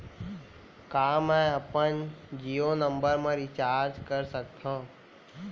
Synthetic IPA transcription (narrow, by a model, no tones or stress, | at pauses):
kaːmɛ̃ːəpənd͡ʒijonə̃mbəɾmẽɾit͡ʃaːɾd͡ʒkəɾsəkt̪ʰã